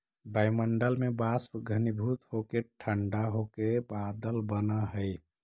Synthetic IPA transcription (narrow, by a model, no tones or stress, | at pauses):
bajməɳɖəlmebaspɡʱənibʱut̪hokeʈʰəɳɖaɦokebad̪əlbənəɦəj